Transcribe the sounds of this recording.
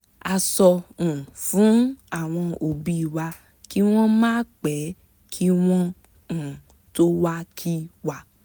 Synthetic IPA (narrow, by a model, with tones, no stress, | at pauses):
a˧sɔ˧ũ˨fũ˨˦a˦˨w̃ɔ̃˧o˨bi˦i˦˨wa˧ | ki˦w̃ɔ̃˦mãː˦k͡pɛ˨˦ | kʰi˦w̃ɔ̃˦˨ | to˦wa˦kʰi˦wa˨